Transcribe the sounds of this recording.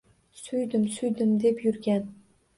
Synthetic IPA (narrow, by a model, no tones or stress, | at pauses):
sʊjd̪ɪmsʊjd̪ɪmd̪epjʊɾɡʲan